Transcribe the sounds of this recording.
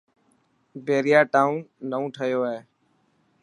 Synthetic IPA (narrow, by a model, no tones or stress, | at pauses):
beːɾɪjaːʈaːũnnəũːʈʰəjoːeː